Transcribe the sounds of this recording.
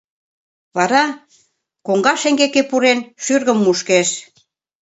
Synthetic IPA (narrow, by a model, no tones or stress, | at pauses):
βɑɾɑ | koŋɡɑʃeŋɡekepuɾenʃyrɣə̆mːuʃkeʃ